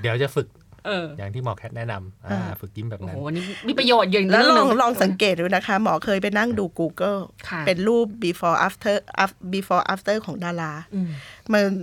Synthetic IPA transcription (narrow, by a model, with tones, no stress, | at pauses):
di˩˦wt͡ɕa˨˩fɯ˨˩k̚ʔɤː˧˩jaː˨˩ŋt̪ʰiː˥˩mɔː˨˩kʰɛ˦˥t̪̚nɛ˦˥na˧mʔaː˧aː˧a˩fɯ˨˩k̚ji˦˥˩mbɛː˨˩p̚ŋa˦˨˩a˧nːiː˦˥miː˧˩pɾa˧joː˨˩t̪̚ju˨˩˨lːlɔː˧˥˩ŋlɔː˧˥˩ŋsa˩˦ŋkeː˨˩t̪̚duː˧˩jna˦˥kʰa˦˥mɔː˩˦kʰɤː˧jpa˧jna˥˩ŋduː˧kuː˧kɤː˥˩kʰa˦˧pe˧nɾuː˥˩p̚biː˧fɔː˧˩ʔaː˦˥ft̪ʰɤː˥˩ʔa̰ː˦˥fbiː˧˩fɔː˧ʔa̰ː˦˥f̚t̪ɤː˥˩kʰɔː˩˦ŋdaː˧laː˦˥˧ma˧n